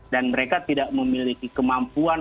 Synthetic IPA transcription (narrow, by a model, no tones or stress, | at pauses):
danməɾekat̪idaʔməmilikikəmampuan